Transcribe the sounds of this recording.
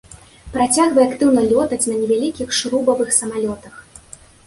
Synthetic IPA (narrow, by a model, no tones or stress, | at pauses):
pɾat͡sʲaɣvɐjakt̪ɨwnɐlʲɔt̪ɐt͡sʲnɐnʲɛvʲalʲikʲixʂɾubɐvɨxsɐmalʲɔt̪ɐx